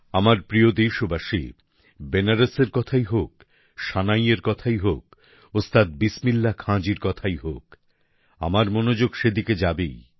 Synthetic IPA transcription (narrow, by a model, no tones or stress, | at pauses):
amaɾpɾiod̪ejʃobaʃḭ | benaɾeseɾkɔt̪ʰajɦok̚ | ʃanajeɾkɔt̪ʰajɦok̚ | ost̪ʰat̪̚bismilːakʰãd͡ʑiɾkɔt̪ʰajɦok | a̰maɾmonod͡ʑoɡʃed̪iked͡ʑabḛj